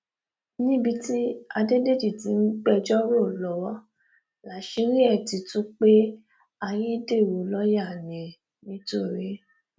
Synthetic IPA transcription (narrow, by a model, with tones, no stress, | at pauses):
nĩ˦bi˧ti˦a˧de˦de˦di˨ti˨˦n̩˦ɡ͡bɛ˦d͡ʒɔ˦ɾo˦˨lɔ˨˦wɔ˦ | la˨˦ʃi˧˦ɾi˦ɛ˦˨ti˨˧tũ˦k͡pe˦ | a˧j̃ĩ˦de˦˨wo˨lɔ˦ja˦˨nẽ˨ | nĩ˦to˦˨ɾe˨˦